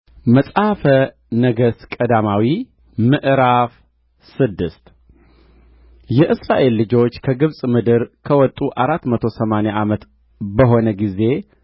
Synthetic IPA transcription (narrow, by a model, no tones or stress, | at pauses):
məsʼafə | nəɡəskʼəd̪amawi | mɨʔɾaf | sɨd̪ːɨst̪ | jɛʔɨsɾaʔe̞lːɨd͡ʒo̞t͡ʃːkʰəɡɨβsʼmɨd̪ɨɾkʰəwɔt̪ʼuʔaɾat̪ːmət̪ʰo̞səmaneʔamət̪ | bəɦo̞nəɡize̞